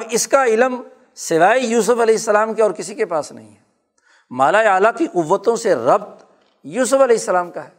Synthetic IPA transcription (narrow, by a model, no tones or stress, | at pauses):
ɪskaɪləm | sɪʋaːijuːs̬ʊfɐlɛːɦɪsːəlaːmkeɔːɾkɪsikepaːsnɐ̰ɦḭ̃ɦɛ | maːlaeaːlakiqʊʋːət̪õseɾɐbt̪ | juːsʊfɐlɛːɪsːəlaːmkaɦɛː